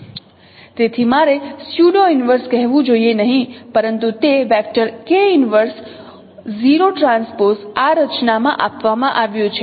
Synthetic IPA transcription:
t̪et̪ʰimaɾesjuɖoinʋəɾskɛɦʋũd͡ʒoienəɦĩpəɾənt̪ut̪eʋɛk̚ʈəɾkeunʋəɾs | ziɾoʈɾãnspoɾsaɾət͡ʃnamã̰ʔapʋamãʔaʋjũt͡ʃʰe

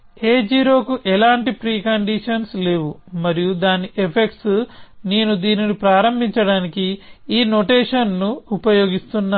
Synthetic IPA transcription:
eːd͡ʒiːɾo̞ːkuʔɛlaːɳʈipɾiːkɐɳɖiʂɐnsle̞ːʋumɐɾijud̪aːniʔepʰe̞k̚ʈsneːnud̪iːninipɾaːɾɐmbʱiɲt͡ʃɐɽaːnikiiːno̞ʈeːʂɐnːuupɐjo̞ːɡist̪unːa

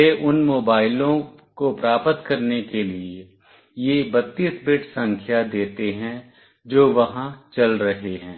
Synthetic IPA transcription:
eʔʊnmoːbaːɪlõkopɾaːpət̪kɐɾnekelie | jebɐt̪ːiːsbɪʈsɐ̃ŋkʰjad̪eːt̪eɦɛ̃ | d͡ʒoːʋɐɦãt͡ʃɐlɾɐɦeɦɛ̃ː

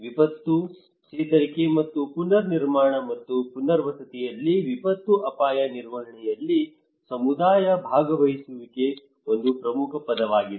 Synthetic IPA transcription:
ʋipɐt̪ːu | t͡ʃɛːt̪ɐɾikemɐt̪ːupunːɐɾniɾmaːɳɐmɐt̪ːupunːɐɾʋɐsɐt̪ijɐlːiʋipɐt̪ːuʔɐpaːjɐniɾʋɐɦɐɳɛjɐlːi | sɐmud̪aːjɐbʱaːɡɐʋɐɦisuʋike | o̞nd̪upɾɐmukʰɐpɐd̪ɐʋaːɡid̪

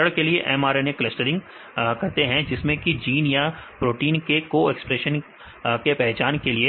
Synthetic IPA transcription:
əɽkelieʔɛmaːɾeneklɛsʈəɾɪ̃ŋɡ | kɐɾt̪eɦɛ̃d͡ʒɪsmẽkid͡ʒiːnjapɾoːʈiːnkekoɛkspɾeːʃən | kepɛɦt͡ʃaːnkelie

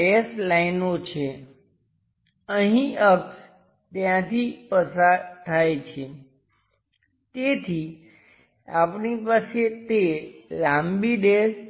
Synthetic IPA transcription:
eslainot͡ʃʰe | əɦĩəks | t̪jãt̪ʰipəsaɾt̪ʰajt͡ʃʰe | t̪et̪ʰi | apnipaset̪elãmbiɖes

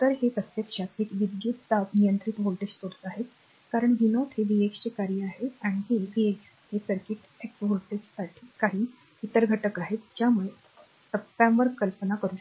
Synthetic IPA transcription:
t̪əɾɦet̪ət̪jəkʂat̪ekʋid̪juːt̪d̪apnijənt̪ɾit̪ʋolʈed͡ʑt̪oɽt̪əaɦet̪ | kaɾəɳʋinot̪heʋieksekaɾiaɦeaɽ̃iɦeʋieks | hesəɾkiʈ | eksʋolʈed͡ʑsaʈʰi̥ːkaɦiː | it̪əɾɡʱəʈəkaɦet̪d͡ʑjamuɭe | t̪əpːjãʋəɾkəlpənakəɾuː

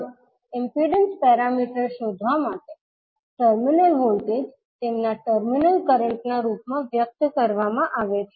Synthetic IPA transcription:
impiɖənspɛɾamiʈəɾɕod̪ʱʋamaʈ̪e | ʈəɾminəlɦolʈed͡ʑ | t̪emnaʈəɾminəlkəɾəɳʈnaɾupmaʋjək̚t̪kəɾʋamãʔaʋet̪ʰ

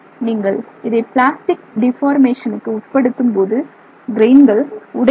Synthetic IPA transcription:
niːŋɡɐɭɪðɐɪpɭaːsʈɪk̚ɖɪfaːɾmeːʂɐnɯkːɯʊʈ̚pːɐɽɯt̪ːɯmpoːðɯ | ɡɪɾeːnɡɐɭʊɽɐ

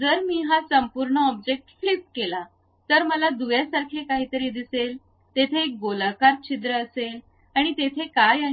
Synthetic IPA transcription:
d͡zəɾmiːɦasəmpuɾɳəɔb̚d͡ʑek̚ʈflipkela | t̪əɾməlad̪uʋjasaɾkʰekaɦiːt̪əɾid̪isel | t̪et̪ʰeːk̚ɡolakaɾt͡ɕʰid̪ɾəːsel | aɽ̃it̪et̪ʰekaja

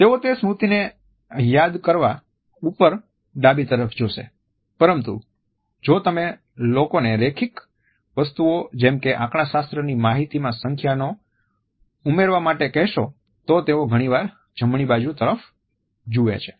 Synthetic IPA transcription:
t̪eot̪esmut̪ine | jad̪kəɾʋa | upəɾ | ɖabit̪əɾəfd͡ʒoʃḛ | pəɾəmt̪ṵ | d͡ʒot̪əme | lokoneɾekʰik | ʋəst̪uod͡ʒɛmkeʔãkɳ̃ãʃast̪ɾənimaɦit̪imãsəŋkʰjano | umeɾʋamaʈekɛɦʃo | t̪ot̪eoɡʱəɽ̃iʋaɾ | d͡ʒʱəmɳ̃ibad͡ʒut̪əɾəf | d͡ʒuʋḛt͡ʃʰe̥

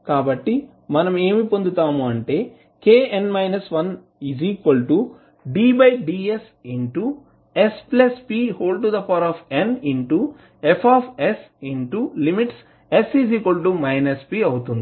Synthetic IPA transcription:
kaːbɐʈːi | mɐnɐme̞ːmipo̞nd̪ut̪aːmuɐɳʈe̞ː | keːenmɐjnɐsʋɐn | iziːkʋɐlʈu | ɖiːbɐjɖiːes | iɳʈu | esplɐspiːhoːɭɖʈud̪ɐpʰaːɾaːpʰeniɳʈu | epʰaːpʰesiɳʈulimiʈs | esiziːkʋɐlʈumɐjnɐspiɐwut̪und̪i

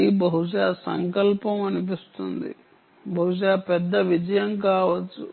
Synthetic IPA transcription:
ibɐɦuʂaːsɐ̰ŋkɐlpɐmɐnupist̪und̪ḭ | bɐɦuʂ̬aːpɛd̪ːɐʋid͡ʒɐjɐmkaːʋɐt͡ʃːu

